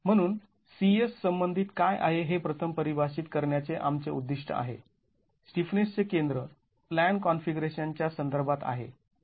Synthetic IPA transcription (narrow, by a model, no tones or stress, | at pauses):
m̤əɽ̃uːn | siesːəmbənd̪ʱiːt̪kajʔa̰ɦeɦepɾət̪ʰəmpəɾibʱasiːt̪kəɾɳjat͡seʔamt͡seṵd̪ːiʂʈʰə̰a̰ɦḛ | sʈifnest͡sekend̪ɾə | plæɳkɔnfiɡɾeɕant͡ɕjasənd̪əɾbʱat̪a̰ɦḛ